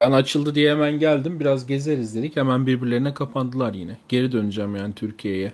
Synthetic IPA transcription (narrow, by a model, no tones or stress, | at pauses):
b̥ænat͡ʃʰɯlˠd̪ɯd̪ijɛemænɟælʲd̪imbiɾazɟe̞zeɾizlʲed̪ichemænbiɾbiɾlʲe̞ɾinɛkʰapʰand̪ɯlˠaɾjinɛɟ̥e̞ɾid̪ønyd͡ʒamjaːnit̪ʰyɾcʰijejɛ